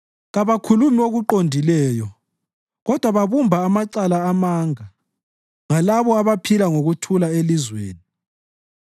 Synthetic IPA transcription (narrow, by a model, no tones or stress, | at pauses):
ɣaβakʰulumioɣuǃondʱilɛːjɔ | ɣɔd̥ʱwaβaβumbʱaːmaǀalaːmaːŋa | ŋalaβɔaβapʰilaŋoɣutʰulaelizweːni